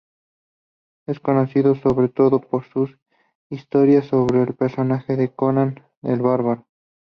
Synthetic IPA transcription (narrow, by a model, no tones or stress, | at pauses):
esko̞no̞siðoso̞βɾe̞t̪o̞ðopo̞ɾsus | ist̪o̞ɾjasːo̞βɾeːlpeɾso̞naxe̞ðe̞konan | ḛlβaɾβaɾo